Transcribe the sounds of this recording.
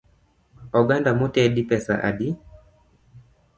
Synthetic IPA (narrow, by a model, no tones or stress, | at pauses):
ɔɡandamotɛadipɛsa̰ʔa̰di